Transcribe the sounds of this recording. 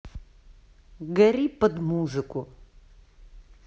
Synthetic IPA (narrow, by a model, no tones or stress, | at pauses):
ɡɐɾipɐd̪muːzɨkʼu